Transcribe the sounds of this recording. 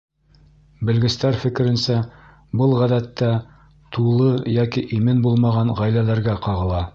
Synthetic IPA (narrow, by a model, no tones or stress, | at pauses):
bɘ̆lɡɘ̆st̪æɾfɘ̆kɘ̆ɾɘ̆nsæ | bɤlˠʁæðæt̪ːæ | t̪ʰulˠɤjɑkiʔimɘnbulˠmɑʁɑnʁæjlælæɾɡæqɑʁɤ̆lˠɑ